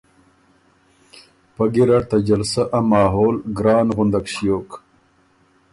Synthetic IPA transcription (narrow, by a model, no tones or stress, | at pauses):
pɐɡiɾɐɽt̪ɐd͡ʑɐlsaʔɐmɑːɦoːlɡɾɑːnɣʊnd̪akɕijoːk